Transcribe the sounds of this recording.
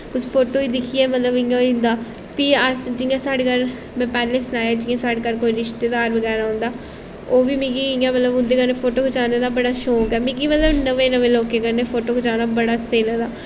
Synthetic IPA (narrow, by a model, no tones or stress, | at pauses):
ʊspʰoːʈoːiːd̪ɪkʰiːɛːmət̪ləbɪ̃jãːɪ̃nd̪aː | piːəsd͡ʒɪjãːsaːɽeːkəɾ | mɛ̃ːpɛːleːsənaːjaːd͡ʒɪːãːsaːɽeːkəɾkoːiːɾɪʃt̪eːd̪aːɾʋəɡɛːɾaːɦʊ̃ːnd̪aː | oːʋiːmĩkiːɪjãːmət̪ləbʊnd̪eːkəɾnepʰoːʈoːkʰt͡ʃaːneːd̪aːbəɽaːʃoːkɛːmĩːkiːmət̪ləbnəʋẽːnəʋeːloːkeːkəɾneːpʰoːʈoːkəd͡ʒaːnaːbəɽaːseːlad̪aː